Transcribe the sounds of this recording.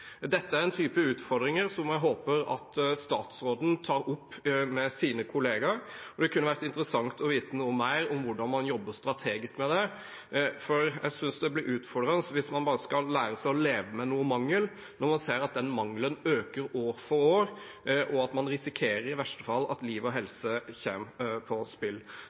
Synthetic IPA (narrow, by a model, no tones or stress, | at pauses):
d̪ɛt̪ːəæɾɛnt̪ʰyːpəʉːt̪fɔɾd̪ɾɪŋəɾsɔmjæɪɦoːpəɾɑ̰t̪st̪ɑːt̪sɾoːd̪n̩t̪ʰɑːɾʊpːmɛsiːnəkʰʊleːɡɑɾɔd̪ɛkʰʉnːəʋæɾət̪ɪnt̪əɾəsɑŋt̪ʰɔʋiːt̪ənuːəmæɪɾɔmʋʊɖɑnmɑnjɔbːəst̪ɾɑt̪ʰeːɡɪskmɛd̪ɛ | fɔɾjæ̰ɪsʏnsd̪ɛblɪɾʉːt̪fɔɖɾɑnəsʋɪsmɑnbɑːɾəskɑlːæːɾəsæɪɔleːʋəmɛnuːəmɑŋːəl | nɔɾmɑnseːɾɑt̪̚d̪ɛnmɑŋlənøːkəɾoːɾfɔɾoːɾ | ʔɔɑt̪mɑnɾɪsɪkʰeːɾəɾɪʋæʂʈə̥fɑlːɑ̰t̪liːʋɔɦɛlsəçeːmpʰɔspɪlː